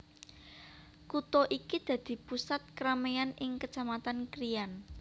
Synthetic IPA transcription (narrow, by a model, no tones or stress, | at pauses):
kut̪oʔikid̪̥ä̤d̪̥i̤pusat̪̚kəɾamejanɪŋkət͡ʃamat̪ankɾijan